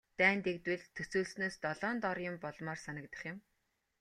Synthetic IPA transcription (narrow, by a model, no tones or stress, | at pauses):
t̪æːnt̪ekt̪wɘ̆ɮt̪ʰːɵsuːɮsnoːst̪ɔɮɔːnt̪ɔrjʊ̆mpɔɮmɔːrsanə̆kt̪ə̥̆χjʊ̆m